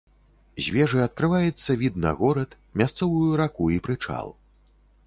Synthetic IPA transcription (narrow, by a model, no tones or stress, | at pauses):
zʲvʲɛʐɨɐt̪̚kɾɨvajɛt̪sːɐvʲid̪nɐ̰ɣɔɾɐt̪ | mʲast̪sɔvujuɾakuipɾɨt͡ʂa̰lˠ